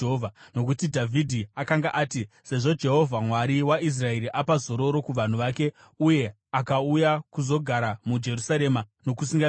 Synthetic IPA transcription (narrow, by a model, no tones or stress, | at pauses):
ovʱano̞kutidʱavʱidʱiakaŋɡaʔaːti | se̞ʐo̞d͡ʒe̞ɦo̞vʱamwaɾiwais̬rae̞ɾiʔapazo̞ɾo̞ɾo̞kuʋan̤uʋaːke̞ | uje̞ | akaujakuzo̞ɡʱaɾamud͡ʒe̞ɾusaɾe̞mano̞kusiŋɡa